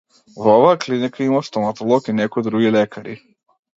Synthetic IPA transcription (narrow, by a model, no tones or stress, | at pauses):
vɔvaːklinikʰaimast̪ɔmat̪ɔlˠɔkinɛkɔjd̪ɾuɡilɛkʰaɾḭ